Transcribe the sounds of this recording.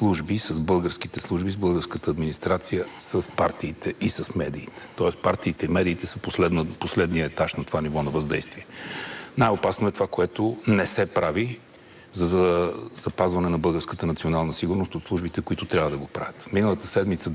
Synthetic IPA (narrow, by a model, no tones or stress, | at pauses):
slˠuʒbisəzbɤlˠɡəɾsk̟it̪ɛslˠuʒbizbɤlˠɡəɾskət̪əːd̪minist̪ɾat̪sijəsəspaɾt̪iːt̪ʰɛisəsmɛd̪iːt̪ɛ̥t̪ɔɛst̪paɾt̪iːt̪ɛimɛd̪iːt̪ɛsəposlɛd̪nəposlɛd̪nijəɛt̪aʃnɐt̪ovanivɔnɐvɐzd̪ɛ̰jst̪viɛnajopasnʊɛt̪ovakoɛt̪onɛsɛpɾavi | zɐzəz̥ɐpazvɐnɛnɐbɤlˠɡəɾskət̪ənɐt̪sionalˠnəsiɡʊɾnost̪ot̪slˠuʒbit̪ɛkʊit̪ʊt̪ɾʲavəd̪ɐɡopɾa̰vʲət̪minəlˠət̪əsɛd̪mit̪sə